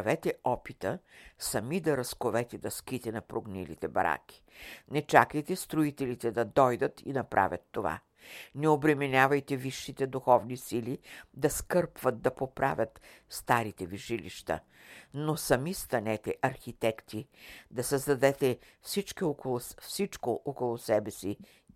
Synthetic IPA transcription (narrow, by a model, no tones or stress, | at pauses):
ɐvɛt̪ɛɔpit̪əsɐmid̪ɐɾɐskovɛt̪ɛd̪ɐskit̪ɛnɐpɾoɡnḭlḭt̪ɛbɐ̰ɾa̰k̟i̥nɛt͡ʃakəjt̪ɛst̪ɾoit̪ɛlit̪ɛd̪ɐd̪ɔjd̪ət̪ḭnɐpɾʔa̰vʲjɐ̰t̪ːova̰ | nɛobɾɛmɛnʲavɐjt̪ɛviʃːit̪ɛd̪uxɔvnisilid̪ɐskɤɾpvɐt̪̚d̪ɐpopɾa̰vʲət̪st̪aɾit̪ɛviʃilḭʃt̪ə̰ | nosɐmist̪ɐnɛt̪ɛʔɐɾxit̪ɛkt̪id̪ɐsɐzd̪ɐd̪ɛt̪ɛ | fsit͡ʃkiokolˠfsit͡ʃkoʔokolˠosɛbɛsi